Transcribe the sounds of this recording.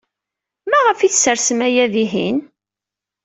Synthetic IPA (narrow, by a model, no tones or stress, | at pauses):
mæʁəfiθsəɾsəmæjæðiɦḭn